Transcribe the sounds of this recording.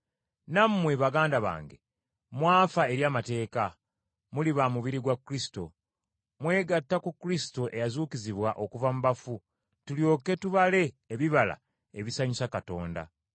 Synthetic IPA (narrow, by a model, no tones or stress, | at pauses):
nammweβaɡaːndaβa̰ːŋɡe̞ | mwaːfae̞ɾjaːmate̞ːka | muliβamuβiɾiɡwakːuɾisi̥to̞̰ | mwe̞ːɡatːakukɾisi̥to̞ʔe̞jazuːkiziβwaʔo̞kuvamuβafu | tuljo̞ːke̞tuβale̞ː | βiβala̰ | eβisaɲusakato̞ːnda̰